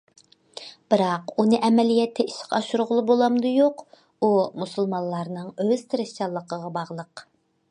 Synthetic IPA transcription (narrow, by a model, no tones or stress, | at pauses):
b̥ɪɾɑqunɨʔɛmɛlijɛt̪ʰːɛiʃqɑʃuɾʊʁʊlˠɨbolˠɑmd̪ɨjoq | umusulˠmɑnlˠɑɾnɨŋøz̥t̪ʰɪɾɪʃt͡ʃɑlˠːəqʰəʁɑbɑʁlˠəq